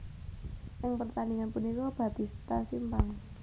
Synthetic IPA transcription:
ʔɪŋpərt̪aniŋanpunikɔb̥a̤t̪ist̪asimpaŋ

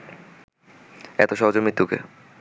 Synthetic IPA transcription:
ɛt̪oʃɔɦod͡ʑoɾmɾit̪ːukḛ

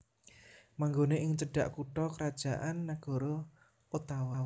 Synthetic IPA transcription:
maŋɡoneʔɪŋt͡ʃəɖ̥a̤ʔkuʈɔkəɾad̥ʒ̥a̤ʔanːaɡ̥ɔ̤ɾɔ | ut̪awaw

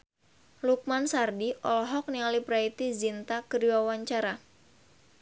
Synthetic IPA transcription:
luk̚mansardiʔɔlɔɦɔk̚nialibɾait̪izint̪akədiwawaɲt͡ʃaɾa

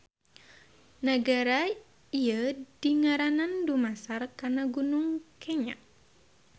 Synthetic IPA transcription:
nəɡaɾa | iadiŋaɾanandumasarkarnaɡunʊŋkɛɲa̰ʔ

